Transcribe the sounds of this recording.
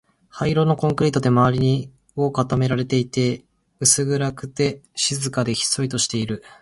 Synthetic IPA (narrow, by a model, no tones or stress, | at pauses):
haiɾo̞no̞kõ̞ŋkɯ̟ɾʲiːt̪o̞d̪e̞maβaɾʲiɲ̟i | o̞ːkat̪ame̞ɾaɾe̞t̪e̞it̪e̞ | ɯ̟sɨɡɯ̟ɾakɯ̟̥t̪e̞ɕizɨkad̪e̞çi̥so̞it̪o̞ɕi̥t̪e̞iɾɯ̟